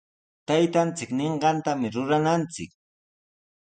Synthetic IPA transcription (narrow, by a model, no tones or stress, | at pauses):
t̪ajt̪ant͡sɪkneɴɢɑnt̪amɪɾʊɾanant͡sɪk̚